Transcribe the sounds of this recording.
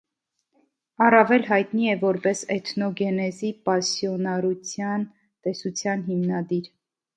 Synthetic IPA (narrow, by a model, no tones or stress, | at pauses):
ɑrɑvɛlɦɑjt̪niɛvɔɾpɛsɛt̪ʰnɔɡɛnɛzipɑsjɔnɑɾut͡sʰjɑn | t̪ɛsut͡sʰjɑnɦimnɑd̪iɾ